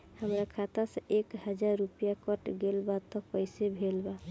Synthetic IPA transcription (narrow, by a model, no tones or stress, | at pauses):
həmɾakʰat̪asə̃ʔekɦəd͡ʒaɾːupijakəʈɡelbat̪ɔpəjsebʱelba